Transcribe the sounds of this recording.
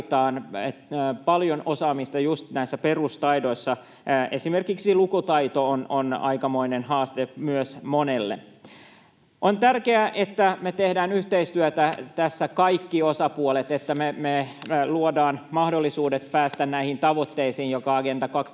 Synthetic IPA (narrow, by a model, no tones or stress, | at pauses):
t̪ɑːnepɑljonosɑːmist̪ɑjust̪næisːæperust̪ɑido̞isːɑ | ʔesimerkiksilukut̪ɑit̪oononɑ̰ikɑmoinenhɑːst̪emyøsmonelːḛ | ʔont̪ærkeæʔet̪ːæmet̪ehdæːnyht̪eist̪yøt̪æt̪æsːækɑikːiosɑpuolet̪et̪ːæmemeluodɑːnmɑhdolːisuːdet̪̚pæːst̪ænnæihint̪ɑʋot̪ːeisiːnjokɑɑɡent̪ɑkɑk